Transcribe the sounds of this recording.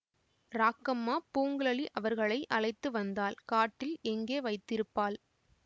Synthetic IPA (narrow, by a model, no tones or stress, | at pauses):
ɾaːkːɐmːaːpuːŋɡɯɭɐɭiʔɐʋɐɾɣɐɭɐɪʔɐlɐɪt̪ːɯʋɐnd̪aːlkaːʈːɪlɛŋɡeːʋɐɪt̪ːɪɾɯpːaːl